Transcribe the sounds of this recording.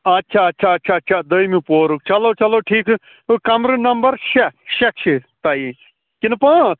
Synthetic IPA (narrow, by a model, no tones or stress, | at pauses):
ɐtːʃʰaːɐtːʃʰaːɐtːt͡ʃʰaːtːt͡ʃʰaːd̪ɐimĩpoːɾuk̚t͡ʃɐloːt͡ʃɐloːʈʰiːk | kɐmɾɨnɐmbɐɾʃeʃɐkʃʰit̪ai | kinɨpãːt̪ʰ